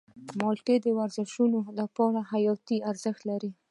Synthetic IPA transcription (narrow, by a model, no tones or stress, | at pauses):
mɑlʈed̪əwaɾzɪʃunolapɑɾahajɑt̪iaɾzəxt̪laɾi